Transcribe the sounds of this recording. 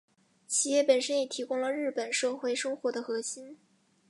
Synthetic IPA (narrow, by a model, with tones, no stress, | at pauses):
t͡ɕʰi˧˥jɛ˥˩pə˨˩nʂə˥njɛ˨˩t̪ʰi˧˥kʊ˥ŋlə˨ɻɻ̩˥˩pə˨˩nʂɤ˥˩xwe˧˥ɪʂɤ˥ŋxwɔ˧˥d̪ə˧xɤ˧˥ɕi˥n